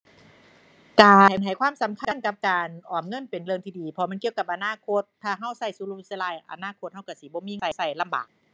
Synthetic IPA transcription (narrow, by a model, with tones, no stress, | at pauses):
kaː˨˩nɦa˨˩˦jkʰwaː˧˥˨msa˨˦mkʰa˧˥˨nka˧p̚kaː˨nʔɔː˨˩m̚ŋɤ˧˥˨npe˨nlɯ˧˨ŋt̪iː˧˩diː˨˩pʰɔ˧m˧˥˨ki˧ə˨wka˧˩p̚ʔa˨˧naː˧˥˨kʰo˧˥t̪̚ʰːaː˧˩ɦa˧˩wsa˧˥˩jsu˧lu˧sla˧˩˨jʔa̰˨˧˩naː˧˥˨kʰo˧t̪̚ha˧˥˩wka˧˩si˧˦bɔː˧˦miː˧a˧˩˨sa˧˩jla˧˨mba̰ː˨˩k̚